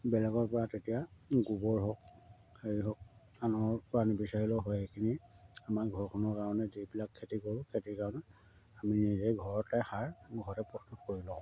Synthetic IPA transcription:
bɛlɛɡɔɹpɔɹatetijaɡubɔɹɦɔk̚ | hejiɦɔk̚ | anɔpɔɹanibisaɹilɔɦɔjxejkʰiniamaɹɡʱɔɹkʰɔnɔɹkaɹɔnɛzibilakʰːetikoɹkʰetikaɹɔnɛ | aminizejɡʱɔɹɔtɛhaɹɡʱɔɹɔtɛpɹɔstutkoɹilɔ̃

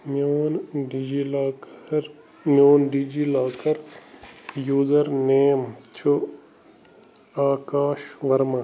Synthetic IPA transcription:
monɖd͡ʒilːɾ | mjoːnɖiːd͡ʒilaːkɐɾ | juːzɐɾneːmt͡ʃʰu | aːkaːʃʋɐɾma

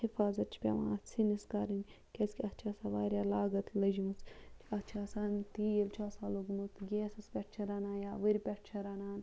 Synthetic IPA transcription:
hifaːzɐt̪̚t͡ʃʰi̥pʲḛʋã̰ːt͡sʰiniskaːɾinʲ | kʲeskʲiɐt̪t͡ʃʰaːsaʋaːɾʲjaːlaːɡɐt̪ʰlɐʒuut͡st͡ʃʰiɐt̪t͡ʃʰaːsaːnt̪iːjelt͡ʃʰaːsaːloɡmut̪ɡʲeːsɐspʲɛʈt͡ʃʰɐɾaːnaːjaːʋəɾʲipʲɛʈ̚t͡ʃʰɐɾaːnaːn

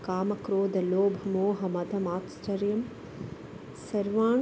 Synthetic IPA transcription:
kaːmɐkɾoːd̪ɐloːbʱɐmoːɦɐmɐd̪ʱɐmaːt̪sʈɐɾjɐm | sɐɾʋaː

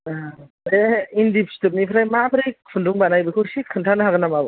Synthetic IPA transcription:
eindipstɯp̚nipʰɾajmabʰɯɾejkʰɯnduŋbanajbɯkʰɯsikʰɯntʰanɯɦaɡɯnamab

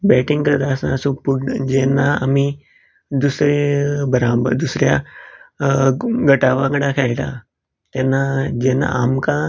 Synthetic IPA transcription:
bɛʈĩŋɡkəɾt̪asã̰supud͡ʑɛnːaami | d̪usɾebəɾabəd̪usɾja | ɡəʈaʋãŋɡəɽakʰɛɭʈ̪a̰ | t̪ɛnːad͡ʑɛnːa̰amkã

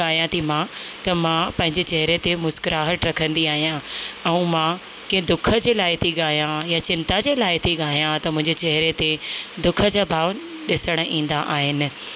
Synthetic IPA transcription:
aːjãt̪ʰimãt̪ɐmãpɐ̃ɦɪ̃ɲd͡ʑet͡ɕɐɦɪɾet̪emʊskɾaːɦəʈɾɐkʰə̃nd̪iaːɦijãɛ̃ũmã | kĩɦẽd̪ʊkʰə̆d͡ʑeːlaːɪt̪ʰiɠaːjãjat͡ɕɪ̃nt̪ad͡ʑeːlaːɪt̪ʰiɠaːjãt̪ɐmʊ̃ɦɪ̃ɲd͡ʑet͡ɕɐɦɪɾet̪ed̪ʊkʰə̆d͡ʑaːbʱaːʋ | ɗɪsəɽ̃ĩːn̆d̪aʔaːɦɪnɪ̆

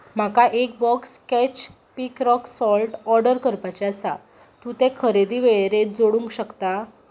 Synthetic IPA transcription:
m̤akaʔek̚bɔkskɛt͡ɕ | pikɾɔksɔlʈɔɾɖəɾkəɾpat͡ɕeasa | t̪ũt̪ɛ̃kʰəɾed̪iʋeɭeɾed͡zoɽũŋkɕəkt̪a

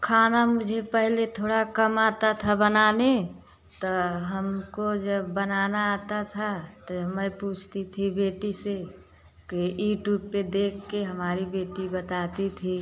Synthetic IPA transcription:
kʰaːnamʊd͡ʒʱepəɦlet̪ʰoːɽakəmaːt̪at̪ʰabənane | t̪ɔɦəmkod͡ʒəbːənanaːt̪at̪ʰat̪ɔməjpuːt͡ʃʰt̪it̪ʰibeːʈise | kijuːʈjuːbped̪eːkʰːeɦəmaːɾibeːʈibət̪at̪it̪ʰi

